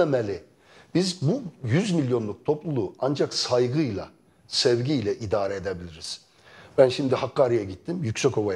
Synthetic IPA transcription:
emɛlʲɪ | b̥izbujyzmilʲjo̞nlˠuk̚t̪ʰoplˠulˠuand͡ʒaksajɡɯjlˠa̰ | sɛvɟijlʲɛʔid̪aːɾɛed̪ebilʲiɾiz̥ | b̥ænʃimd̪ihakːaːɾijaɟit̪ʰːimjycʲsɛko̞va

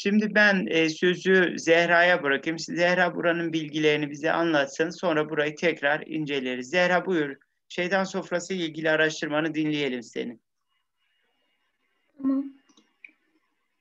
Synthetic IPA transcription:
ʃimd̪ibænɛːsø̞zyzɛhɾaːjabɯɾakʰɯjmszɛhɾaːbuɾanɯnbilʲɟilʲe̞ɾinibizɛ̰ʔa̰nlˠat̪sɯnso̞nɾabuɾajɯt̪ʰɛcɾaɾḭnd͡ʒe̞lʲeeɾizːɛɾaːbujuɾ | ʃe̞jd̪ænso̞fɾasɯilʲɟilʲiaɾaʃt̪ʰɯɾmanɯd̪inlʲije̞lʲimse̞̰ni | m

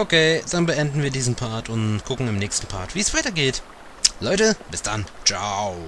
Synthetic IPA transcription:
ʔokʰeːd̥anbəʔɛndn̩viːɐdiːzn̩pʰaɐtʰʊnɡ̥ʊkŋ̩ɪmnɛːçstn̩pʰa̰ɐtv̥iːɛsv̥aɪtɐɡeːt | lɔʏtəb̥ɪsd̥a̰nt͡ʃaʊ

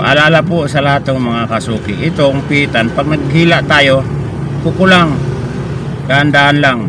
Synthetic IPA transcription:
ʔa̰lalapʊsalaɦat̪ʊŋmaŋakasukiʔit̪ʊŋpit̪anpaɡ̚naɡɦilaʔt̪ajo | kukulaŋ | kaːnd̪aːnlaŋ

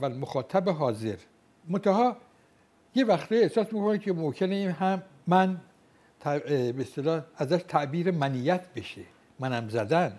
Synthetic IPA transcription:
ælmoxɒːt̪ʰæbeɦɒːze̞ɾ | mont̪ʰæɦɒː | jevæxt̪ʰijehsɒːsmiːkʰonikʰemomcʰeneiːnɦæmːæn | t̪ʰæbeest̪elɒːæzæʃt̪ʰæʔbiːɾemænijæt̪ʰbe̞ʃe | mænæmzæd̪æn

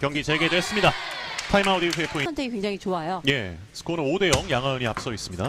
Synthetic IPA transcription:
kjʌŋɡit͡ɕeɡe̞dwe̞s͈ɯmɲidatʰaimaudiɸepʰoint͈eikweŋd͡ʑaŋit͡ɕoajoje̞ | sʰɯ̥kʰonɯode̞jʌŋjaŋɦaoɲiap̚s͈ʌis͈ɯmɲida

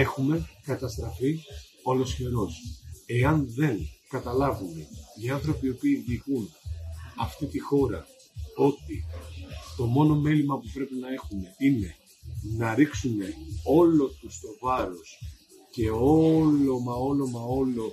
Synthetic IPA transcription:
e̞xume̞kɐt̪ɐst̪ɾɐfi | o̞lo̞sçe̞ɾo̞se̞ɐnðe̞ŋkɐt̪ɐlɐvume̞iɐnθɾo̞piopiːðiɣun | ɐft̪it̪ixo̞ɾɐ̰ | o̞t̪i | t̪o̞mo̞no̞me̞limɐpupɾe̞pinɐe̞xume̞ine̞ | nɐɾiksume̞o̞lo̞t̪ust̪o̞vɐɾo̞s | ce̞o̞lo̞mɐo̞lo̞mɐo̞lo̞

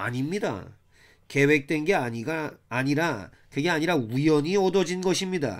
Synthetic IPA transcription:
a̰ɲimɲida̰ | ke̞we̞k̚t͈we̞nɡe̞aiɡaːɲiɾa | kɯɡeaɲiɾaujʌɲiʌdʌd͡ʑinɡʌɕʰimɲida̰

